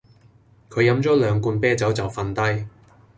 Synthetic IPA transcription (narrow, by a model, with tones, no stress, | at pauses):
kʰɵ˨˧ɥjɐ˨˥mt͡sɔː˨˥lœː˨˧ŋkuː˧npɛː˥t͡sɐ˨˥wt͡sɐ˨wfɐ˧nt̪ɐ˥j